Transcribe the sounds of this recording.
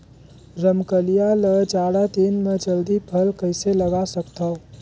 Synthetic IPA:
ɾəmkəlijaləd͡ʒaɽat̪inmed͡ʒəld̪ipʰəlkəɪseləɡasəkt̪ʰəw

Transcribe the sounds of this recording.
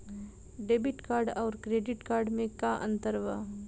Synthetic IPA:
ɖeːbɪʈkaːɾɖɔːɾkɾeːɖɪʈkaːɾɖmẽkaʔə̰̃nt̪əɾʋa

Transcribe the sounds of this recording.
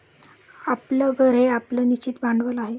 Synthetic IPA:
apləɡʱəɾeaplənit͡ɕiːt̪baɳɖʋəlaɦe

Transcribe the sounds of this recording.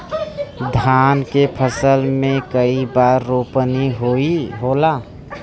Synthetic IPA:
d̪ʱankepʰəsəlmẽkəibaɾːopəniɦoiɦola

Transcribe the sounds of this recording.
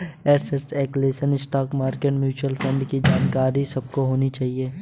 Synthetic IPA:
eːɾseɾsɛːkleːʃənɪsʈaːkmaːɾkeːʈmjuːt͡ʃuəlfʰɐ̃ɳɖkid͡ʒaːnkaːɾisɐb̚koɦoːnit͡ʃaːɦieː

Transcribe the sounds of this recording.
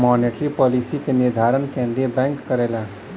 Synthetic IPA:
mɔːneʈɾipɔːlisikenɪɾd̪ʱaːɾənkẽːnd̪ɾiebɛ̃ːŋkːəɾeːla

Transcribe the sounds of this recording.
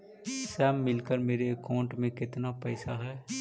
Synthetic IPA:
sɛːmːɪlkəɾmeːɾeəkaːɳʈmẽkɪt̪napɛːsaɦɛː

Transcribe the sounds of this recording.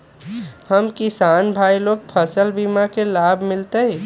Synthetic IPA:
həmkɪsaːnbʱaːiloːɡ̚pʰəsəlbimakelaːbʱmɪlt̪eɦɛ

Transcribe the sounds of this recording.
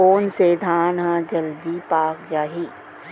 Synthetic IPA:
oːnsed̪ʱaːnɦãd͡ʒɐld̪ipaːkjaːɦiː

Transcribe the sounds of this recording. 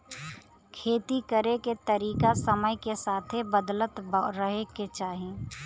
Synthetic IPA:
kʰeːt̪ikəɾeket̪əɾiːkasəməjkesaːt̪ʰebəd̪lət̪bɾəɦeket͡ʃaːɦeː

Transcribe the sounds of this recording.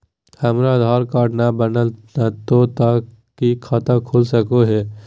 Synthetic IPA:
həmɾad̪ʱaːɾkaːʈnabənəlnət̪ot̪aː | kikʰat̪əkʰʊlsəkoɦɛː

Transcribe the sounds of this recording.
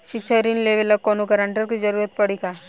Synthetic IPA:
ʃɪkʃaɾinleʋelɐkonokɐɾaɳʈəɾkid͡ʒɐɾuːɾət̪̚pɐɽika

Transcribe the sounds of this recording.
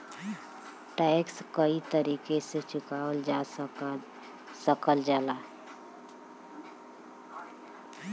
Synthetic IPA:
ʈaɪkskəit̪əɾiːkeset͡ʃʊkaːəld͡ʒa | səkəld͡ʒaːlaː

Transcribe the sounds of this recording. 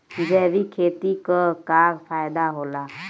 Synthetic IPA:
d͡ʒɛːʋikʰeːt̪ikakaːɾpʰaːjd̪aɦoːlaː

